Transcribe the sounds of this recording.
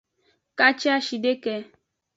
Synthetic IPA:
ka˦t͡ʃa˦ʃi˨de˦kɛ˧

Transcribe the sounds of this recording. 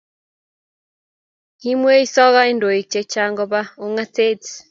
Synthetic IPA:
hi˦mwe˦i˦sɔ˦ɣa˦i˦ndo˨i˨t͡ʃe˨t͡ʃa˨ŋɡɔ˨βa˦o˨ŋa˦te˦t

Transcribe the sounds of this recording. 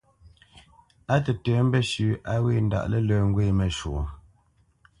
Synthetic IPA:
a˦tə˨tɛ˨˦m̩˦bɛ˦ʃʉ˨ʔa˦we˦˨n˦da̰˦˨ʔlə˦ləː˨ŋ̩˦ɡwe˦˨mə˨ʃo˨

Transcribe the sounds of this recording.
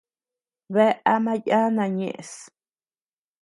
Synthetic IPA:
βe˦ʔa˦mã˦ja˦nã˧˨ɲḛ̃˧˨ʔe˨s

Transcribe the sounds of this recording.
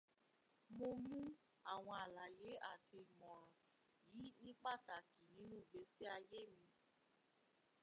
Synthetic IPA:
mo˦mũ˦ | a˨ŋʷa˨a˨la˨je˨˦ʔa˨kʰe˨mɔ˨ɾɔ˨ | ji˦nĩ˦k͡pa˦ta˨ki˨nĩ˦nũ˦˨ɡ͡be˨si˦a˧je˦mĩ˦˧

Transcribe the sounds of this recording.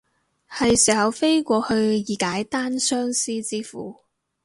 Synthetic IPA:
hɐ˨jsiː˨˩hɐ˨wfe˥jkʷɔː˧hɵ˧ɥjiː˨˩kaː˨˥jt̪aː˥nsœː˥ŋsiː˥t͡siː˥fṵː˨˩

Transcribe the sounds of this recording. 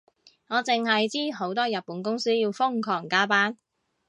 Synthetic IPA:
ŋɔː˨˧t͡sɪ˨ŋɦɐ˨jt͡siː˥ɦo˨˥wt̪ɔː˥jɐ˨t̚pːuː˨˥nkʊ˥ŋsiː˥jiː˧wfʊ˥ŋkʰɔː˨˩ŋkaː˥paː˥n

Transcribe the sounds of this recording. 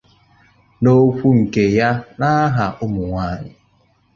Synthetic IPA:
no˦kʷu˦ŋ̩˨ke˨ja˦na˦ɦa˨ʔʊ˦mʊ˨ŋʷaː˦˨ɲɪ̰˨

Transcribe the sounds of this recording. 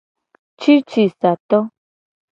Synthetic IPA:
t͡ʃi˦t͡ʃi˨sa˨t̪ɔ˦

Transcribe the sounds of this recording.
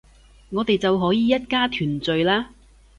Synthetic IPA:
ŋɔː˨˧t̪e˨jt͡sɐ˨wɦɔː˨˥jiː˨˧jɐ˥t̚kaː˥t̪ʰyː˨˩nt͡sɵ˨ɥlaː˥

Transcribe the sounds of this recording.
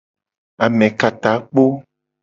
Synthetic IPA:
a˨mɛ̃˨ka˨t̪a˨˦k͡po˦

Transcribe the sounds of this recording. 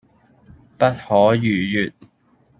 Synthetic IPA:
pɐ˥t̚hɔː˨˥jyː˨˩jyː˨t̚

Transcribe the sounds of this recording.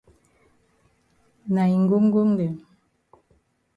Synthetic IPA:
na˨jŋ̩˦ɡu˦ŋ˦ɡu˦ŋde˨

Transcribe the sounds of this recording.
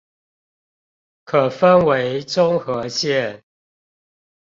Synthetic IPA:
kʰə˨˩fə˦nwe˨˦ɪʈ͡ʂʊ˦ŋxɤ˨˦ɕjɛ˥˨n

